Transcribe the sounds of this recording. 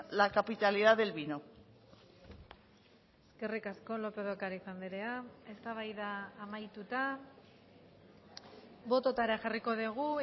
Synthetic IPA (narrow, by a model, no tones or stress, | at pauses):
lakapit̪aliðaðelβino̞ | eske̞rikasko̞lo̞pe̞ð̞okaɾisand̪iɾeae̞st̪aβ̞ajðaːmajt̪ut̪a | βo̞t̪o̞t̪aɾaʝariko̞ðiɣ̞u